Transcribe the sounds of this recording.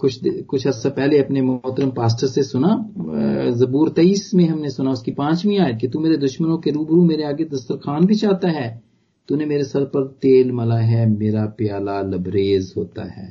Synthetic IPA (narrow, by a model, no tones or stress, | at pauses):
kʊt͡ʃʰd̪kʊt͡ʃʰɦɐɾsapɛɦleɐpnemoɦt̪əɾəmpaːs̬ʈəɾsesʊna | zɐbuːɾt̪eiːsmẽɦɐmnesʊnaʊskipãːt͡ʃmĩaːəʈ̚ket̪ũmeːɾed̪ʊʃmənõkeɾuːbɾũmeːɾeaːɡed̪ɐst̪əɾkʰaːnbʱit͡ʃaːt̪aɦɛː | t̪unemeːɾesɐɾpɐɾt̪eːlmɐlaɦɛːmeːɾapjaːlalɐbɾeːzɦo̰ːt̪a̰ɦɛ̰ː